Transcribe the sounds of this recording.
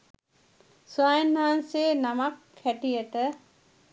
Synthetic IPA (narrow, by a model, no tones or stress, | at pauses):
suaːjinːaɦanseːnamak | hæʈijəʈə